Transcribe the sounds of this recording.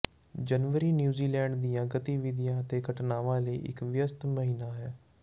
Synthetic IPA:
d͡ʒənʋəɾiːnjuːziːlɛːɳɖd̪ijãːɡət̪iːʋɪd̪ijãːət̪eːkəʈnaːʋãːləiːʔɪ̰kʋɪjəst̪məɦiːnaːɦɛː

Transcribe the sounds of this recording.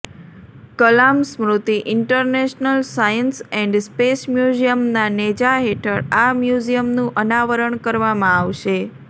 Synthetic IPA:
kəlamsmɾut̪iʔɪɳʈəɾneʃnəlsajənsɛ̃ɳɖspesmjud͡ʒijəmnaned͡ʒaɦeʈʰəɽamjud͡ʒijəmnũʔənaʋəɾəɳkəɾʋamãaʋʃe

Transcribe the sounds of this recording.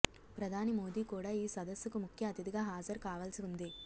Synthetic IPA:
pɾɐd̪ʱaːnimoːd̪iːkuːɽaːiːsɐd̪ɐsːukumukʰjɐɐt̪id̪iɡaːɦaːd͡ʒɐɾkaːʋɐːlɐsiund̪i

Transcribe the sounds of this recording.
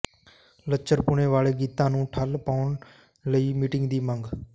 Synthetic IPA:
lət͡ʃəɾpʊɳeːʋaːɭeːɡiːt̪ãːnũːʈʰəlpaːʋɳ | ləiːmiːʈɪ̃ŋɡd̪iːməŋɡ

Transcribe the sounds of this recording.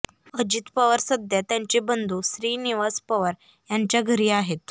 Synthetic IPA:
əd͡ʑit̪pəʋəɾsəd̪jat̪jaɲt͡ɕebənd̪ʱuːsɾiːniʋaspəʋəɾ | jaɲt͡ɕjaɡʱəɾiːaɦet̪

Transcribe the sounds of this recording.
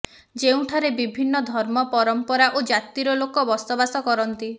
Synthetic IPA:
d͡ʒeũʈʰaɾebibʱinːɔd̪ʱɔɾmɔpɔɾɔmpɔɾaʔod͡ʒat̪iɾɔlokɔbɔsɔbasɔkɔɾɔnt̪i

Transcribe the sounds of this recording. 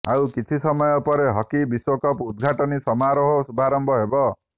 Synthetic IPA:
awkit͡ʃʰisɔmɔjɔpɔɾeɦɔkibiswokɔpud̪ɡʱaʈɔnisɔmaɾɔɦosubʱaɾɔmbʱɔɦebɔ

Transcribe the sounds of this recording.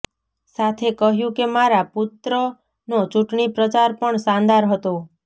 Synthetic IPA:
sat̪ʰekəɦjũkemaɾapʊt̪ɾə | not͡ʃuʈɳipɾət͡ʃaɾpəɳsãnd̪aɾɦət̪o

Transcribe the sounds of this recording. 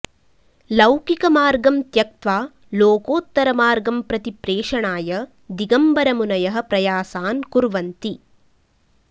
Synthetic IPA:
lɐwkikɐmaːɾɡɐmt̪jɐk̚t̪ʋaː | loːkoːt̪ːɐɾɐmaːɾɡɐmpɾɐt̪ipɾeːʂɐɳaːjɐ | d̪iɡɐmbɐɾɐmunɐjɐɦɐ̆pɾɐjaːsaːnkuɾʋɐnt̪i

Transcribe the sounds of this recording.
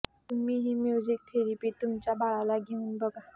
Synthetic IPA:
t̪umːiɦimjuzik̚t̪ʰeɾipit̪umt͡ɕabaɭalaɡeunbəɡa

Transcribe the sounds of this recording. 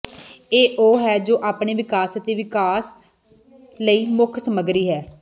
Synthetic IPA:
eːʔoːɦɛːd͡ʒoːʔaːpɳeːʋɪkaːsət̪eːʋɪkaːs | ləiːmʊkʰsəməɡɾiːɦɛː

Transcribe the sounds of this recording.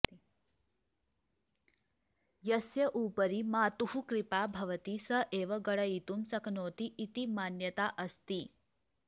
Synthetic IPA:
jɐsjɐʔuːpɐɾimaːt̪uhukɾipaːbʱɐʋɐt̪isɐʔeːʋɐɡɐɽɐit̪umsɐkʰnoːt̪iʔːt̪imaːnjɐt̪aʔɐst̪i

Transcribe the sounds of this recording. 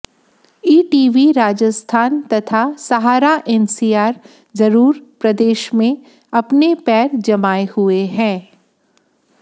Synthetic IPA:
iːʈiːʋiɾaːd͡ʒəst̪ʰaːnt̪ɐt̪ʰasɐɦaːɾaʔɛnsiːaːɾ | d͡ʒɐɾuːɾpɾɐd̪eːʃmẽ | ɐpnepɛːɾd͡ʒɐmaːehʊeɦɛ̃ː

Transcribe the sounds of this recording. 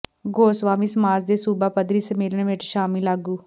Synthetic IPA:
ɡoːsʋaːmiːsəmaːzd̪eːsuːbaːpəd̪ɾiːsəmeːləɽʋɪt͡ʃʃaːmɪlaːɡuː

